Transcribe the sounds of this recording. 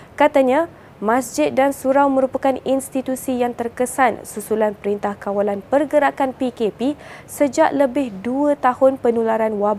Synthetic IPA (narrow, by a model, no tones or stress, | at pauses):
kat̪aɲã | mãsd͡ʒɪt̪̚dansuɾawmə̃ɾupakaninst̪it̪usijaŋt̪ərkəsansusulanpəɾint̪ahkawalanpərɡəɾakanpikepisəd͡ʒaʔləbɪhduət̪ahʊnpənulaɾanwab